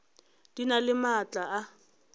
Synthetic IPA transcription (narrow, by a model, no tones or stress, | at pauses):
d̥inalɪmat͡ɬʼaa